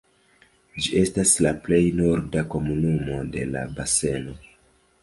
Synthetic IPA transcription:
d͡ʒie̞staslaple̞jnoɾdako̞munumo̞de̞̰la̰base̞no̞

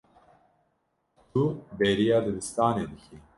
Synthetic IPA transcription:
t̪ʰubeɾijɑːd̪ɨbɨst̪ɑːneːd̪ɨkʰi

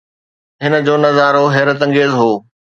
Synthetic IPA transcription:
ɦɪnə̆d͡ʑoːnɐzaːɾoɦɛːɾət̪ɐ̃ŋɡeːzɦoː

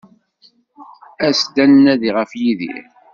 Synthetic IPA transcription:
æsd̪ænnæðiʁəfjiðḭ

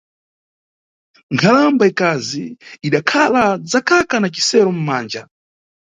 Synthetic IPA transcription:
ŋkʰalambaikaziiɗakʰalad͡zakakanat͡ʃi̥sɛɾɔm̩maːnd͡ʒa

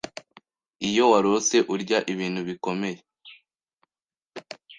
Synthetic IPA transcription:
ijo̞waɾose̞ʔuɾɟaʔiβiːnhuβiko̞me̞je

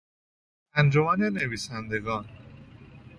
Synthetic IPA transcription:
ænd͡ʒomæneneviːsænd̪eɡɒːn

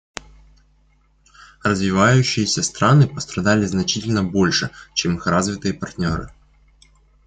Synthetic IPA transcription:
rɐzvʲɪvajʉɕːɪjesʲɐst̪ɾanɨpɐst̪ɾɐd̪alʲɪznɐt͡ɕitʲɪlʲnɐbɔlʲʂɛt͡ɕɛmɨxrazvʲɪt̪ɨjɛpart̪ʲnʲɔɾɨ̰

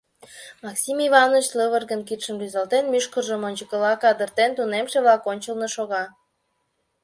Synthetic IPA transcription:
mɑksimivɑnot͡ɕləβərɣənkit̪ʃənryzɑlt̪enmyʃkərʒəmonʲt͡ɕəkə̆lɑkɑd̪ərt̪ent̪unemʃeβlɑkonʲt͡ɕəlnəʃoɣɑ

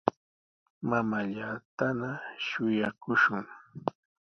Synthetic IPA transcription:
mamaʎaːt̪anaʃʊjakʊʃʊŋ

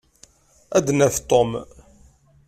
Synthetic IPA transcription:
æd̪næθt̪ˤom

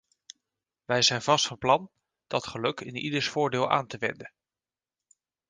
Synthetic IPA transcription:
ʋɛjzɛjnvɑstfɑnplɑn | d̥ɑtχəlɵkɪnidəɹsfʊːɹdɪːlˠʔa̰ːntəʋɛ̰ndən

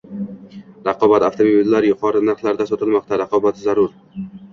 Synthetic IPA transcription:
ɾɑqʰɒbat̪aft̪omobilːaɾjʊqʰɒɾɪnaɾχlˠaɾd̪asɒt̪ɪlˠmɒq̚t̪ʰaɾɑqʰɒbat̪zaɾʊɾ

